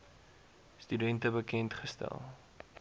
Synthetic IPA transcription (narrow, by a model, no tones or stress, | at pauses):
stydɛntəbəkɛntχəstæ̰lˠ